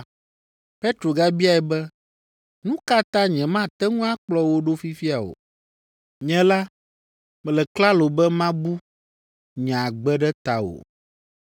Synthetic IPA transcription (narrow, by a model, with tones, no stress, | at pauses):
pe˦t̪ɾo˨ɡa˦bi˦a˨ɛ˨bɛ˦ | nũ˦ka˦t̪ã˦ɲɛ̃˨mã˦t̪ɛ˦ŋũ˦a˦k͡plɔ˦wo˦ɖo˦fi˦fi˦a˨o̰˨ | ɲɛ̃˦la˦ | mɛ˨lɛ˨kla˦lo˨bɛ˦mã˦bu˦ | ɲã˨ɡ͡bɛ˦ɖɛ˦t̪a˨o̰˨